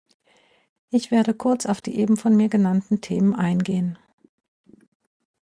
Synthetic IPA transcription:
ʔɪçv̥eːɐdəkʰʊɐt͡saʊfd̥ḭːʔeːbm̩fɔnmiːɐɡənantn̩tʰeːmənʔaɪnɡeːən

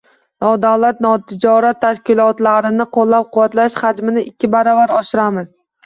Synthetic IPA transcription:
nɒd̪awlat̪̚nɒt̪ʰɪd͡ʒɒɾat̪ʰːaʃkʲɪlˠɒt̪laɾɪnɪqʰolˠːap̚qʰʊvːat̪laʃhad͡ʒmɪnɪʔɪkʲʰːɪbaɾɒvaɾɒʃɪɾamɪz

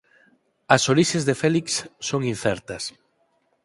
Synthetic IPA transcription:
ɐsoɾiʃezðefɛliksːoŋin̟θɛɾt̪ɐs

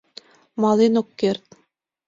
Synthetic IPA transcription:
mɑlinokːert̪̚

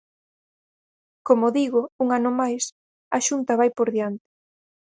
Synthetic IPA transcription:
komoðiɣouŋanʊmajs | ɐʃunt̪ɐβajpoɾðjant̪ɪ̥

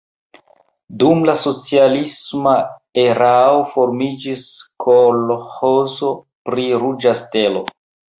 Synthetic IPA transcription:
dumlaso̞t͡sialismaeɾaofo̞ɾmid͡ʒiskʰolohozo̞ | pɾiɾud͡ʒaste̞lo̞

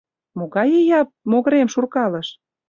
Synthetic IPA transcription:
moɣɑjejɑp̚moɣɤ̆ɾemʃurkɑlɤ̆ʃ

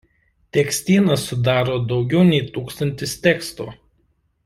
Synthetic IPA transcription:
t̪ʲɛksʲt̪ʲiːnɐsʊd̪ɑːɾoːd̪ɒʊɡʲɛʊnʲɛɪt̪uːkst̪ɐnʲt̪ʲɪst̪ʲɛːkst̪ṵː

